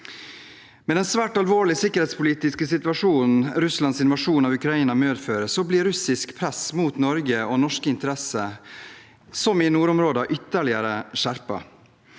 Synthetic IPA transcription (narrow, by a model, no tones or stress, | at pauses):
mɛd̪ɛnsʋæːʈɑlʋoːɭɪsɪkːəɾhɛːt̪spʊliːt̪ɪskəsɪt̪ʋɑʂuːnn̩ɾʉslɑnsɪnʋɑʂuːnɑʋʉkɾɑiːnɑmøːd̪føːɾəsɔbliːɾʉsɪskpʰɾɛsmuːt̪nɔɾɡəoːnɔʂkəɪnt̪əɾɛsə | sɔmɪnuːɾʊmɾoːd̪ɑʔʏt̪ːəɭɪəɾəʂæɾpɑ̰